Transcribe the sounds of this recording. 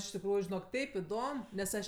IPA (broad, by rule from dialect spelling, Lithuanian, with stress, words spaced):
ɪʃ tʲɪkˈruːjʊ ʒʲɪˈnoːk ˈtʲɛɪp ɪˈdoːm nʲɛs ˈɐʃ